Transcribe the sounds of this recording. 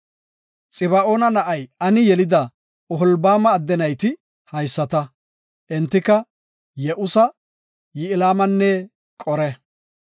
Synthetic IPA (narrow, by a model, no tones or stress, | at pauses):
t͡sʼɪbɐʔo̞ːnɐnɐʔɐjɐnɪjɛlɪd̪ɐ | ɔɦɔlbaːmɐːd̪ːɛnɐjt̪ɪ | hɐjsːɐt̪ɐ | ʔɛnt̪ːɪkɐ | jɛʔʊsɐ | jɪɪlaːmɐnːɛ | kʼɔɾɛ